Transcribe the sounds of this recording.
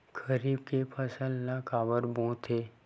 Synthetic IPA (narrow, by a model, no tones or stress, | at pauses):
kʰəɾiːb̚kepʰəsəlnakaːbəɾbõːt̪ʰeː